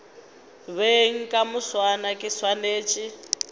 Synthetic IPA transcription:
βeŋ̩kʼamuswanakʼiswaneːt͡ʃʼi

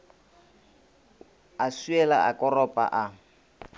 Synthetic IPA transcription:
asuɛlaa̰kʼɔrɔpʼa̰ʔa

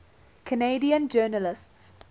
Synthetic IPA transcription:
kʰəneɪdiə̃nd͡ʒɜːnəlɪsts

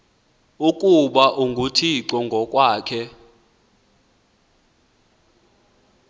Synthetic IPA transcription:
ukʼuɓaʔuŋɡʱutʰiǀɔŋɡʱɔkʼwaːkʰɛ

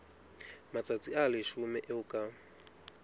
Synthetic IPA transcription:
mat͡sʼat͡sʼialɪʃumɛʔeʊkʼa

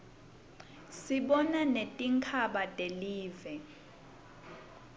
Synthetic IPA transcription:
siɓɔnanetʼiŋkʰaɓatʼeliːvɛ

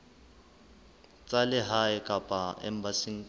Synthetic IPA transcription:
t͡sʼalɪɦaɪkʼapʼaɛ̰m̩basiŋ̩

